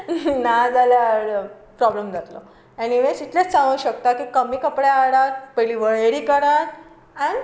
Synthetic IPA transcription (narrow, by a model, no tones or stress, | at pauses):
nad͡zaljaɽ | pɾɔblemɡʱat̪lo | eñiʋesit̪lẽt͡st͡sãŋə̃ːɕək̚t̪akiːkəmiːkəpɽaaɽat̪̚pəliʋəɭeɽiːkəɽãt̪ | an